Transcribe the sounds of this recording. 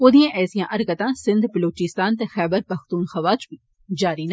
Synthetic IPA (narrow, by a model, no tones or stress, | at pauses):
od̪ijãʔɛːsijãʔɐɾkət̪ãːsɪ̃nd̪bɐloːt͡ʃɪst̪aːnt̪exɛːbəɾpɐxt̪uːnxɐʋaːt͡ʃbi | d͡ʒaːɾin